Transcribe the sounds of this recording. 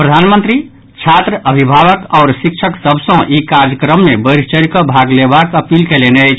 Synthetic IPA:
pɾəd̪ʱanmənt̪ɾi | t͡ʃʰat̪ɾəʔəbʱibʱaʋəkɔːɾsik̚t͡ʃʰəksəbʱsə̃ʔikaɾd͡ʒjəkɾəmːebəɾt͡ʃəɾkəbʱaɡlebakəpilkelenəjt͡ʃʰ

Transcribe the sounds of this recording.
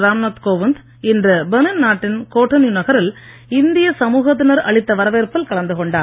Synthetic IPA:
ɾaːmnɐːt̪koːʋɪnd̪ | ɪndrɐbɛnɐnnaːʈːɪnkoːʈːɐnɪjʊnɐɣɐɾɪl | ɪnd̪ɪjɐsɐmuːɣɐt̪̬ːɪnɐɾɐ̰ɭɪt̪ːɐʋɐɾɐʋeːɾpɐlkɐɭɐnd̪ɯkɔɳɖaː

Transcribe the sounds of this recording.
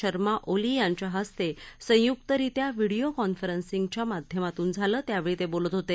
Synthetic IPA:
əɾmaʔolijaɲt͡ɕaɦəst̪esə̃jukt̪əɾit̪jaʋiɽiokɔnfəɾənsiŋɡt͡ɕjamad̪ʱjəmat̪uːnd͡zʱaləːt̪jaʋeɭiːt̪ebolət̪ɦot̪e

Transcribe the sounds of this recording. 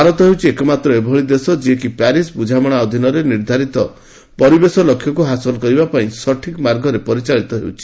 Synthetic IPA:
aɾɔt̪ɔɦewt͡ʃʰiekɔmat̪ɾɔebʱɔɭid̪esɔd͡ʒiekipaɾisbud͡ʒʱamɔɽ̃aɔd̪ʱinɔɾeniɾd̪ʱaɾit̪ɔ | pɔɾibesɔlɔkʰːjɔkuɦasɔlɔkɔɾibapaĩsɔʈʰikmaɾɡʱɔɾepɔɾit͡ʃaɭit̪ɔɦḛwt͡ʃʰi̥

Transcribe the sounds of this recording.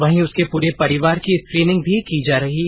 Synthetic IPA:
ʋɐɦĩʊskepuːɾepɐɾɪʋaːɾkiɪskɾiːnɪ̃ŋɡ̚bʱikid͡ʒaːɾɐɦi

